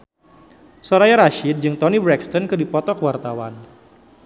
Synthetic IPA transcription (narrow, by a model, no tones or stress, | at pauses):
soɾajaɾaʃid̪̚d͡ʒɨŋt̪ɔnibɾɛkst̪ɔnkɨdipɔt̪ɔkwart̪awan